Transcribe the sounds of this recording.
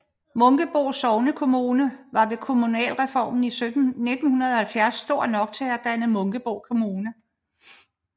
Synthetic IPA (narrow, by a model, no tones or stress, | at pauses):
mɔ̽ŋɡ̥əb̥o̝ʊsɒʊnəkʰo̝muːnəʋɑ̈ʋe̝kʰo̝munɛ̰ːlʁɛfɒ̰ːmn̩ine̝d̥n̩hunɐðˠɒ̽hælfjæɐsːd̥o̝ɐ̰nɒ̽ɡ̥̚t͡sʰeæd̥ænð̩ˠmɔ̽ŋɡ̥əb̥oʊ̰kʰo̝muːnə